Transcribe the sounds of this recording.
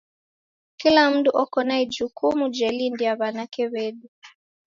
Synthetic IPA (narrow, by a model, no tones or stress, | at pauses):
kilam̩duʔɔkɔnaɛd͡ʒukumud͡ʒɛlindiaβanakɛβɛɗu